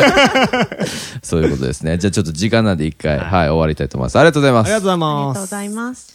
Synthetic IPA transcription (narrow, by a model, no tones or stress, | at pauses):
so̞ːɨɯko̞t̪o̞̰d̪e̞sɨne̞d͡ʑaːt͡ɕo̞t̪ːod͡ʑikãnːãnd̪eikːaiɦaio̞aɾʲit̪ait̪omo̰asaɾiɡatoːzaimasɾiat̪oːzaimasms